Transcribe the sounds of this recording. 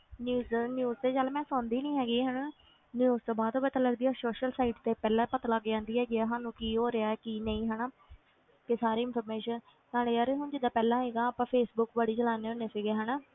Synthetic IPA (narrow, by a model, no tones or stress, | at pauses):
njuːznjuːzt̪eːd͡ʒalmɛ̃ːsɔ̃ːnd̪iːnĩːɦɛːɡiːɦəna | njiuːst̪õːbaːd̪oːbət̪aːləɡd̪iːaːsoːʃəlsaːɪːʈt̪eːpɛːlãːpət̪alaɡd͡ʒãːnd̪iːɦɛːɡɪaːɦãːnũːkiːɦoːɾeaːɛːkiːnə̃ĩːɦənaː | kesaːɾeːɪnpʰəɾmeːʃən | naːɽeːəːɾeːɦʊnd͡ʒɪd̪aːpɛːlãːɦɛːɡaːaːpãːpʰeːsbʊkbəɽiːt͡ʃəlaːneːʊnesɪːɡeɦənaː